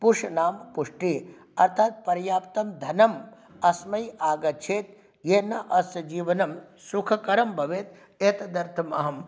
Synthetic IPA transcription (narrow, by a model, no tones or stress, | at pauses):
puʂɐnaːmpuʂʈi | ɐɾt̪ʰaːt̪̚pɐɾjaːpt̪ɐmd̪ʱɐnɐm | ɐsmɐjaːɡɐt͡ʃʰeːt̪ | jeːnɐʔɐsɐd͡ʒiːʋɐnɐm | sukʰɐkɐɾɐmbʱɐʋeːt̪ | eːt̪ɐd̪ɐɾt̪ʰɐmɐ̰ɦɐm